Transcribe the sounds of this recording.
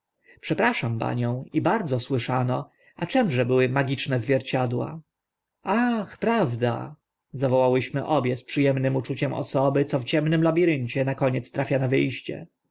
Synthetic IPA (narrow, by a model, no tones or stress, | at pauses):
pʂɛpɾaʂampa̰ɲɔ̃w̃ibaɾd̪zɔswɘʂanɔ | at͡ʂɛmʐɛbɘwɘmaɡʲit͡ʂnɛzvʲjɛɾt͡ɕad̪wa̰ | axpɾavd̪a̰ | zavɔwawɘɕmɘʔɔbʲjɛspʂɘjɛmnɘmut͡ʂut͡ɕɛmɔ̰sɔbɘt̪sɔft͡ɕɛmnɘmlabʲiɾɘɲt͡ɕɛnakɔɲɛt̪st̪ɾafʲjanavɘjɕt͡ɕɛ̰